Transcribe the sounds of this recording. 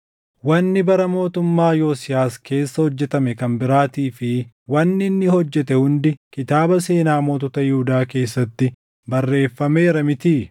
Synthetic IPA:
wɐnːɪbɐɾɐmo̞ːt̪ʊmːaːjo̞ːsɪjaːske̞ːsːɐhɔd͡ʒːɛt̪ɐmɛkɐmbɪɾaːt̪iːfɪ | wɐnːɪnːɪhɔd͡ʒːɛt̪ɛhʊnd̪ɪkɪt̪aːbɐse̞ːnaːmoːt̪ɔt̪ɐjɪhʊd̪aːke̞ːsːɐt̪ːɪ | bɐrːe̞ːfːɐme̞ːɾɐmɪt̪iː

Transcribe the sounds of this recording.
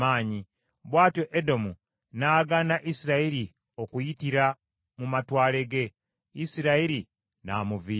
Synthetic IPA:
aːɲi | βwaːtoʔedo̞mu | naːɡanaʔisiɾaiɾi | o̞kujitiɾa | mumatwaːle̞ɡe̞ | isiɾaiɾi | na̰ːmuvi

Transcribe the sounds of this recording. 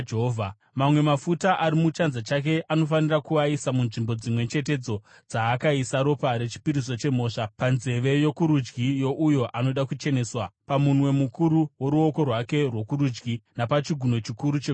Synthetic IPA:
d͡ʒeɦovʱa | mamwe̞mafutaʔaɾimut͡ʃanzat͡ʃak̬e̞ʔano̞fanirakuaisamunʐimbo̞d͡zimwe̞t͡ʃe̞t̬e̞d͡zo̞ | d͡zaːkaisaɾo̞paɾe̞t͡ʃi̥piɾiso̞t͡ʃe̞m̤o̞ːʂapanze̞ʋe̞jo̞kuɾud͡ʒɡijo̞ʔujo̞ʔano̞ɗakut͡ʃe̞ne̞ːswapamumwe̞mukuɾuwo̞ɾuo̞ko̞rwake̞rwo̞kuɾud͡ʒɡinapat͡ʃiɡʱuno̞t͡ʃikuɾut͡ʃe

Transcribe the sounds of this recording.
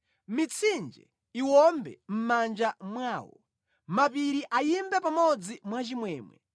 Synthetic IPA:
mit͡sʰind͡ʒɛ̰ | iwɔmbɛ̰m̩mand͡ʒamwaːwɔ̰ | mapiɾiʔajimbɛpamɔd͡zimwat͡ʃimwɛːmwɛ̰

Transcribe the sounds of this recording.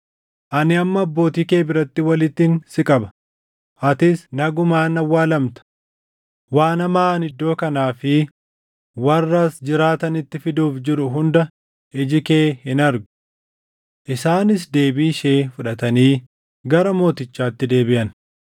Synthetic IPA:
ʔɐnɪɐmːɐːbːo̞ːt̪iːke̞ːbɪɾɐt̪ːɪwɐlɪt̪ːinsɪkʼɐbɐ̥ | ʔɐt̪ɪsnɐɡʊmaːnɐwːaːlɐmt̪ɐ̥ | waːnɐmaːnɪd̪ːo̞ːkɐnaːfɪ | wɐrːasd͡ʒɪɾaːt̪ɐnɪt̪ːɪfɪd̪uːfd͡ʒɪɾʊɦʊnd̪ɐ | ʔɪd͡ʒɪkeːhɪnɐɾɡʊ | ʔɪsaːnɪs̬d̪e̞ːbiːʃe̞ːfʊᶑɐt̪ɐniː | ɡɐɾɐmo̞ːt̪ɪt͡ʃːaːt̪ːɪd̪e̞ːbɪʔɐn

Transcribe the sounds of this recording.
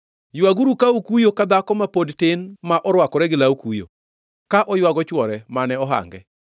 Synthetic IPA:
jwaɡuɾukaukujokad̪akɔmapodtɪnmaʔɔɾwakɔɾɛɡɪlaukujo̰ | kaʔɔjwaɡɔt͡ʃwɔɾɛmanɛɔɦa̰ŋɡɛ

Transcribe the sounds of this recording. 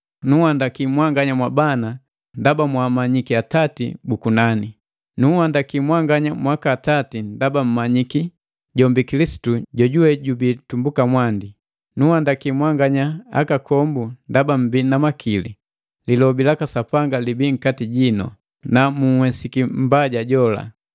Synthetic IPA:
nuhandakimwaŋɡaɲamwabana | ndabamwamaɲikiatatḭbukunani | nuhandakimwaŋɡaɲamwakaːtatindabam̩maɲiki | ɟɔmbikilisi̥tuɟɔɟuwɛɟubitumbukamwandi | nuhandakimwaŋɡaɲaa̰kakɔmbundabam̩binamakʰili | lilɔbilakasapaŋɡalibiːŋ̩katiɟinɔ̰ | namuhwɛsikim̩baɟaɟɔla̰

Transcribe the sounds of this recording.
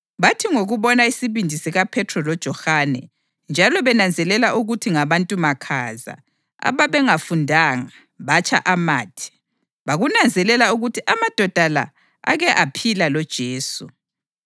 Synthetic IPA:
βatʰiŋoɣuβɔnaisiβindʱisiɣapʰɛtʰrɔlɔd̥ʒ̥ʱɔxanɛ̰ | nd͡ʒʱalɔβɛnand͡zʱɛlɛlaʔuɣutʰiŋaβantʼumakʰaza̰ | a̰βaβɛŋafundʱaːŋa | βat͡ʃʰʼa̰ʔamaːtʰi̥ | βaɣunand͡zʱɛlɛlauɣutʰiʔamad̥ʱɔd̥ʱala̰ | a̰ɣɛʔapʰilalɔd̥ʒ̥ʱeːsu

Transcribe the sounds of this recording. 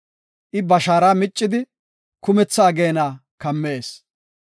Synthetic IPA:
ʔɪbɐʃaːɾaːmɪt͡ʃʼːɪd̪ɪ | kʊmɛt͡sːaːɡeːnaːkɐmːeːs

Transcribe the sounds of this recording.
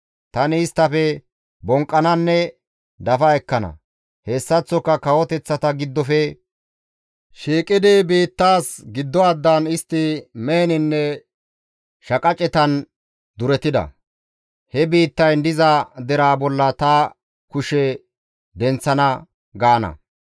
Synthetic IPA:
t̪ɐnɪːst̪ːɐfɛ | bɔŋkʼːɐnɐnːɛ | d̪ɐfɐɛkːɐnɐ̰ | heːsːɐt͡sːɔkːɐkɐwɔt̪ɛt͡sːɐt̪ɐɡɪd̪ːɔfɛ | ʃiːkʼːɪd̪ebiːt̪ːaːsɡɪd̪ːɔɐd̪ːɐnɪst̪ːɪmeːnɪnːɛ | ʃɐkʼɐt͡ʃʼɛt̪ɐn | d̪ʊɾɛt̪ɪd̪ɐ̰ | hɛbiːt̪ːɐjnd̪ɪzɐd̪ɛɾaːbɔlːɐt̪ɐ | kʊʃɛ | d̪ɛnt͡sːɐnɐ | ɡaːnɐ̰

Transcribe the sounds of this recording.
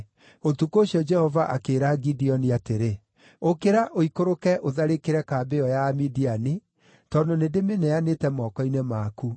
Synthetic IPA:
otukoɕiɔd͡ʒɛhɔvaʔakeɾaɡidiɔniateɾe | okeɾaʔoikoɾokɛʔoðaɾekeɾɛkaːbeɔjamidiani | tɔndonedemenɛanetɛmɔkɔinemaku

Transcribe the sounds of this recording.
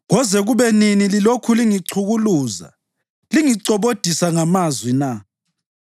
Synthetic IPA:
ɣɔzɛɣuβɛninililokʰuliŋiǀʰuɣuluːza̰ | liŋiǀɔβod̥ʱisaŋamazwina

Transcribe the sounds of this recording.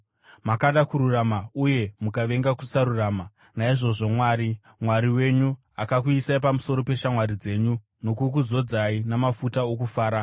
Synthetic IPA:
makaɗakuɾuramauje̞mukaʋe̞ŋɡakusaɾuraːma | naiʐo̞ʐo̞mwaːɾi | mwaɾiwe̞ɲu | akakuisaipamuso̞ɾo̞pe̞ʃamwaɾid͡ze̞ːɲu | no̞kukuzo̞d͡zainamafutaokufaːɾa

